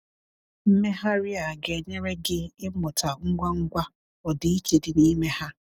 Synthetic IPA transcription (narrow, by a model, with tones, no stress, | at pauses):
m̩˦me˦ɦa˦ɾɪ˦a˨ɡe˨ɲe˦ɾe˦ɡɪ˦ɪ˦mʊ˨tʰa˨ŋ̩˦ɡʷa˦ŋ̩˦ɡʷa˦ | ɔ˨dɪ˨i˦t͡ʃe˨dɪ˨ni˦me˦ha˦